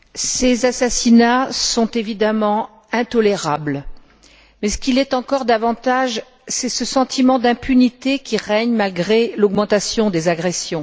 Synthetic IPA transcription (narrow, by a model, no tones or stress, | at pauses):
sezasasinasɔ̃t̪evid̪amɑ̃ | ɛ̃t̪ɔleʁabl | mɛsə̥kʲilɛt̪ɑ̃kɔʁd̪avɑ̃t̪aʒ | sɛsəsɑ̃t̪ʰimɑ̃d̪ɛ̃pynit̪ekʲiʁɛɲmalɡʁelɔɡmɑ̃t̪asjɔ̃d̪ezaɡʁesjɔ̃